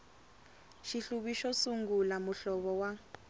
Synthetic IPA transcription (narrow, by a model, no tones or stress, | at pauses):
ʃiɬuβiʃɔsuŋɡulamuɬɔβɔwa